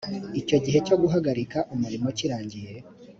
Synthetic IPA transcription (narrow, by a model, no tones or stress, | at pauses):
ico̞ɟiɦe̞co̞ɡuɦaɡaɾikaʔumuɾimo̞ciɾaːɲɟije̞